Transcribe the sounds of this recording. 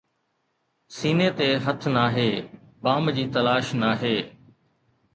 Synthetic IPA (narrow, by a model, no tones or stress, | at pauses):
siːnet̪eːɦɐt̪ʰnaːɦeː | baːmd͡ʑiːt̪ɐlaːʃnaːɦeː